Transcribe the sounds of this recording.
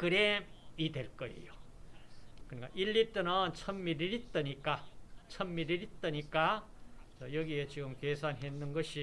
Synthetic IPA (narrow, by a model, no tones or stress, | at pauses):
kɯɾemideɭk͈ʌḭjo | kɯɲika̰ʔilːit͈ɯnɯnt͡ɕʰʌmːiɾiɾit̪͈ʌɲik͈at͡ɕʰʌmːiɾiɾit̪͈ʌɲik͈at͡sʌjʌɡiet͡ɕiɡɯmkesʰanɦenːɯnɡʌɕʰi